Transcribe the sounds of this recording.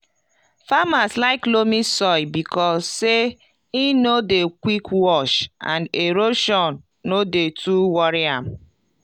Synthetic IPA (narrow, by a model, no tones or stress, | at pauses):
famaslaɪklomisɔibikʰɔsːe | inodekwikwɔʃã̰ndeɾoʃɔnː | odetʰuwɔɾiã̰m̩